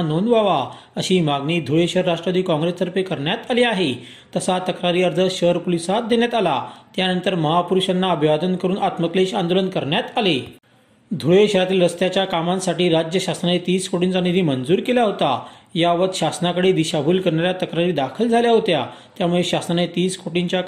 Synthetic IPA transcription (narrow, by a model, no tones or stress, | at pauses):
nonʋaʋa | əɕiːmaɡɳiːd̪ʱuɭeɕəɾːaʂʈɾad̪iːkɔ̃ŋɡɾesːəɾpekəɾɳjat̪aleaɦe | t̪əsat̪əkɾaɾiːəɾd͡z̪ʱəɕəɾpolisat̪̚d̪eɳjat̪alat̪janənt̪əɾməɦapuɾuɕanːaəbʱiʋad̪ʱənkəɾuːnat̪məkleɕand̪olənkəɾɳjat̪ale | d̪ʱuɭeɕəɾat̪iːlɾəst̪jat͡ɕjakamãnsaʈiːɾad͡ʑjəɕasɾanet̪iːskoʈint͡sanid̪ʱiːmənd͡zuːɾkeljaɦot̪ajaʋət̪ɕasnakəɽed̪iɕabʱulkəɾɳaɾjat̪əkɾaɾiːd̪akʰəld͡zʱaljaɦot̪ja | t̪jamuɭeɕasanet̪iːskoʈiɲt͡ɕja